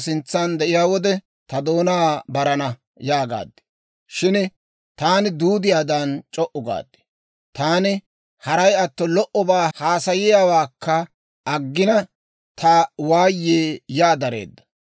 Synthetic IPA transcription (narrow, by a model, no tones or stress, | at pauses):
sɪnt͡sːand̪ɛʔɪjaːwɔd̪ɛ | t̪ɐd̪o̞ːnaːbɐɾɐnɐ | jaːɡa̰ːd̪ːɪ̥ | ʃɪn | t̪aːnɪd̪uːd̪ɪjaːd̪ɐnt͡ʃʼɔʔʊɡa̰ːd̪ːɪ̥ | t̪aːnɪ | hɐɾɐjɐt̪ːɔlɔʔɔbaːhaːsɐjɪjaːwaːkʰːɐ | ʔɐɡːɪnɐ | t̪ʰɐawaːjːeːjaːd̪ɐɾḛːd̪ːɐ̥